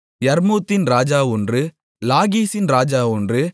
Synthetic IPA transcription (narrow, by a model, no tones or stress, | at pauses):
jɐɾmuːt̪ːɪnɾaːd͡ʒaːɔndrɯ | laːɣiːsɪnɾaːd͡ʒaːɔndrɯ